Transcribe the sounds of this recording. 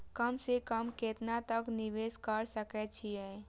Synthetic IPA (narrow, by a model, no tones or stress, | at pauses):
kəmsekəmket̪nat̪ɐknɪʋeːskəɾsəkɛt͡ʃʰiɦɛː